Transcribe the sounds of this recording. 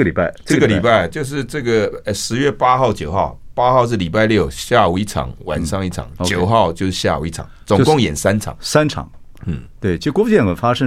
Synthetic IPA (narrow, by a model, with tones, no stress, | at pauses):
əli˨˩pa˥˩ɪ˥ə˥˩ɡə˨li˨˩pa˥˩ɪt͡ɕjo˥˧ʊʂ̬ɻ̩˥˧ʈ͡ʂɤ˥˩ɡə˩˧˩ʂɻ̩˧˥ɥɛ˥˩pa˥xɑ˥˩ʊt͡ɕjo˨˩ʊxɑ˥˩ʊpa˥xɑ˥˧ʊʂ̬ɻ̩˥˩li˨˩pa˥˧ɪljo˥˩ʊɕja˥˩u˨˩i˥˩ʈ͡ʂʰɑ̰˨˦ŋwa̰˨˩nʂɑ˥˧ŋi˥˩ʈ͡ʂʰɑ̰˨˩˦ŋ˧t͡ɕjo˨˩˧ʊxɑ˥˧ʊt͡ɕjo˥˧ʊʂɻ̩˥˧ɕja̰˥˩ṵ˨˩˦i˥˩ʈ͡ʂʰɑ̰˨˩˦t͡sʊ˨˩˧kʊ˥˧ŋjɛ˨˩nsa˥nʈ͡ʂʰɑ̰˨˦ŋsa˥nʈ͡ʂʰɑ̰˨˩˦ŋ | n̩˥˩t̪we˥˩ɪt͡ɕʰi˧˥kwɔ˥ft͡ɕjɛ˥˩˨fa˥ʂə˥